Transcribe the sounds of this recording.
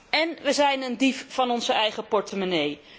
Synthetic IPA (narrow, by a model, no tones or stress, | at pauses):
ɛnʋəzɛjnəndiffɑnɔnzəɛjχəpɔɹtəmonej